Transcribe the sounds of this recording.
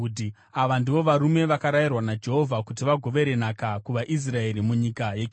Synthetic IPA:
d | aʋandiʋo̞ʋaɾume̞ʋakaɾajirwanad͡ʒe̞ɦo̞vʱakutiʋaɡʱo̞ʋe̞ɾe̞nakakuʋaʔis̬rae̞ɾimuɲikajek

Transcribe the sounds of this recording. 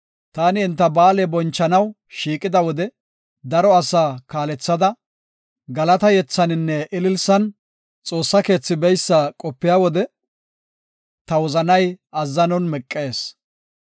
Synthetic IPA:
t̪aːnɪːnt̪ːɐbaːlɛbɔnt͡ʃːɐnɐw | ʃiːkʼɪd̪ɐwɔd̪ɛ | d̪ɐɾɔɐsaːkaːlɛt͡sːɐd̪ɐ | ɡɐlɐt̪ɐjɛt͡sːɐnɪnːɛʔɪlɪlsɐn | t͡sʼo̞ːsːɐke̞ːt͡sːɪbɛjsːakʼɔpːɪjaːwɔd̪ɛ | t̪ɐwɔzɐnɐjɐzːɐnɔnmɛkʼːe̞ːs

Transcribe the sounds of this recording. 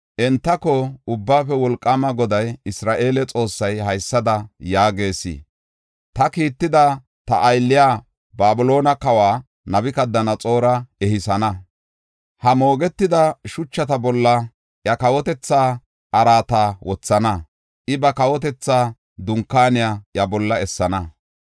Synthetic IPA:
ʔɛnt̪ːɐkɔʊbːaːfɛwɔlkʼːaːmɐɡɔd̪ɐjɪsɾaːʔe̞ːlɛt͡sʼo̞ːsːɐjɦɐjsːɐd̪ɐjaːɡe̞ːsḭ | t̪ɐkiːt̪ːɪd̪ɐ | t̪ɐ̰ʔːjlːɪjaː | baːbʊlo̞ːnɐkɐwaː | nɐbɪkɐd̪ːɐnɐt͡sʼo̞ːɾɐɛhɪsɐnɐ | hɐmo̞ːɡɛt̪ːɪd̪ɐʃʊt͡ʃːɐt̪ɐbɔlːɐ | ʔjɐkɐwɔt̪ɛt͡sːaː | ʔɐɾaːt̪aːwɔt͡sːɐnɐ | ʔɪbɐkɐwɔt̪̬ɛt͡sːaː | d̪ʊŋkːaːnɪjaːʔjɐbɔlːɐɛsːɐnɐ

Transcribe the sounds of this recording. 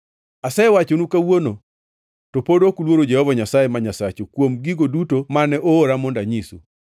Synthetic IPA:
asɛwat͡ʃonukawono | topodokulwoɾod͡ʒɛhɔvaɲasajemaɲasat͡ʃokwomɡiɡodutomanɛʔoːɾamɔndaɲisṵ

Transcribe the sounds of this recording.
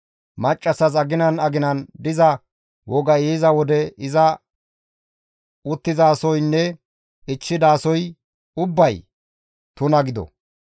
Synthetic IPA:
mɐt͡ʃʼːɐsɐsɐɡɪnɐnɐɡɪnɐnd̪ɪzɐ | wɔɡɐjeːzɐwɔd̪ɛɪzɐ | ʊt̪ːɪzaːsɔjnːɛ | ɪt͡ʃːɪd̪aːsɔj | ʊbːɐj | t̪ʊnɐɡɪd̪ɔ̰

